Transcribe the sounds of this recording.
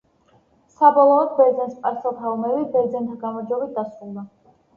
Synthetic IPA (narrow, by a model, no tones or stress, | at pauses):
sabɔlˠɔːd̪̚bɛɾd̪zɛnspʼaɾsɔlˠt̪ʰaɔmɛbibɛɾd̪zɛnt̪ʰaɡamɔɾd͡ʒwɛbit̪̚d̪asulba